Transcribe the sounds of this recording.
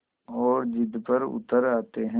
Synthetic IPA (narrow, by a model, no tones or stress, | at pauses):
ɔːɾd͡ʒɪd̪pəɾʊ̰t̪əɾaːt̪eɦɛ̃